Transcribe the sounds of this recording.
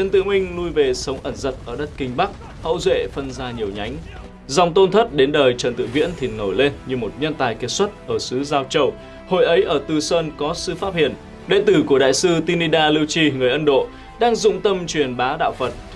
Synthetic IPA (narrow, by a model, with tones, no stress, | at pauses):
t͡ɕə˨˩nt̪ɨ̰˧˨əŋmï˧ŋ̟lu˧jve˨˩sə˨˦wŋ͡mʔə˧˩nzə˨˩t̚ʔəː˧˩ɗə˦˥t̚kï˧ŋ̟ɓa˦˥k̚ | hə̰˧˥wzwḛ˧˨fə˧nzaː˧ɲi˨˩əwɲa˨˦jŋ̟ | za˧˩wŋ͡mt̪o˧nt̪ʰə˦˥t̚ɗe˨˦nɗəː˨˩jt͡ɕəː˨˩nt̪ɨ̰˧˨vḭ˧˥ənt̪ʰi˨˩no˨˩jle˧nɲɨ˧mo˨˩t̚ɲə˧nt̪aː˨˩jke˧˩swə˦˥t̚ʔəː˧˩sɨ˨˦zaː˧wt͡ɕə˧w | ho̰˧˨jʔə˨˦jʔəː˧˩t̪ɨ˨˩səː˧nkɔ˨˦sɨ̰˧faː˦˥p̚hḭ˧˨ən | ɗḛ˧˥t̪ɨ˨˧˩ku˧˩əɗa̰ː˧˨jsɨ˧t̪i˧ni˧ɗaː˧li˧wt͡ɕi˧ŋɨ˨˩əjʔə˧nɗo̰˧˨ | ɗaː˧ŋzʊ̰˧˨ŋ͡mt̪ə˧mt͡ɕwi˨˩ənɓaː˨˦ɗa̰ː˧˨wfə˨˩t̚